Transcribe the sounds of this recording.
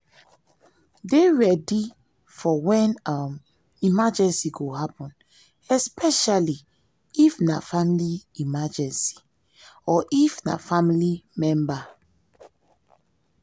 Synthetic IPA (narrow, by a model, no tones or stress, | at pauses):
deɹɛdi | fɔwɛ̃nam | imad͡ʒɛ̃nsiɡohapɔ̃n | ɛspʰɛʃali | ifnafamiliimad͡ʒɛ̃nsi̥ | ɔʔifna̰familimɛ̃mba